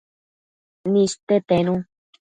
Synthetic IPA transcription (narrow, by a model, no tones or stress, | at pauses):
nĩst̪et̪enũ